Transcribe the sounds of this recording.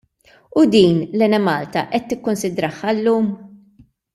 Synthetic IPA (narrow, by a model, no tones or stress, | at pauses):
ʊd̪iːnlɛnɛmɐːlt̪ɐʔɛt̪ːɪkːʊnsɪd̪ɾɐħːɐlːuːm